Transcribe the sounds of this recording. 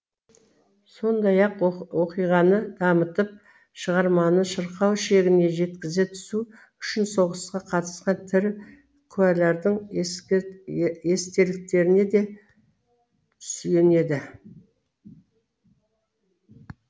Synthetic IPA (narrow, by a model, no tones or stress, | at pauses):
so̞nd̪ɑjɑqwo̞qijʁɑnəd̪̥ɑmət̪əp̚ | ʃəʁɑɾmɑnəʃəɾqɑwʃe̞ɡʲɪne̞ʒe̞t̪kʲɪzɪt̪ʰʏ̥su | ʏʃɪnso̞ʁəsqɑqʰɑt̪ə̥sqɑnt̪ʰɪɾ | kʲʰʉæleɾd̪əɴ | est̪e̞lɪk̚t̪e̞ɾɪne̞d̪e̞ | tt̪ʰʏ̥sj̪e̞ne̞d̪ɪ